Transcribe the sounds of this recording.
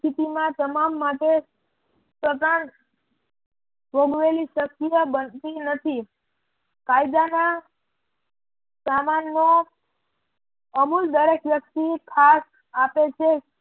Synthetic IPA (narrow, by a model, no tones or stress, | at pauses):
t̪ʰit̪imãt̪əmamːãʈe | sət̪an | ʋoɡʋeliʃəkːijəbənt̪inət̪ʰi | kajd̪ana | samanːo | əmuld̪əɾekʋjək̚t̪ikʰas | apet͡ʃʰe